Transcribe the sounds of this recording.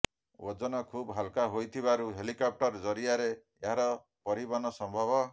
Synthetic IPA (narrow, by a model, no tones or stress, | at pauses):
wɔd͡ʒɔnɔkʰubɦalkaɦojt̪ʰibaɾuɦelikɔp̚ʈɔɾd͡ʒɔɾiaɾe | eɦaɾɔ | pɔɾibanɔsɔmbʱɔbɔ